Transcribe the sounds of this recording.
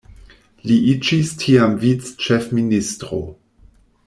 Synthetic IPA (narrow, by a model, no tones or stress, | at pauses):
liʔid͡ʒistʰiamvit͡st͡ʃefministʁo̰